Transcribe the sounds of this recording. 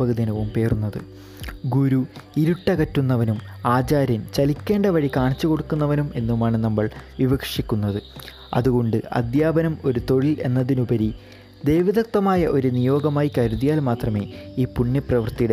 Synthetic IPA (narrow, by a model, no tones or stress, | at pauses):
ɐɣɐd̪inɐʋumpe̞ːrunːɐðɨ | ɡuɾuiɾuʈːɐkɐtːun̪ːɐʋɐnumaːd͡ʑaːɾjɐnt͡ɕɐlikʲːe̞ːɳɖɐʋɐɻikaːɳit͡ɕːuko̞ɽukːunːɐʋɐnume̞nːumaːɳɨnɐmːɐɭʋibɐkʂikʲːunːɐðɨ | ɐ̰ðuɣo̞ɳɖɨɐ̰d̪jaːbɐnɐmo̞ɾut̪o̞ɻile̞̰nːɐðinubɐɾi | d̪e̞jʋiðɐk̚t̪ɐmaːjɐʔo̞ɾunijo̞ːɡɐmaːjikɐɾuðijaːlmaːt̪rɐme̞ːiːpuɳːɐprɐʋɐrt̪ijɽe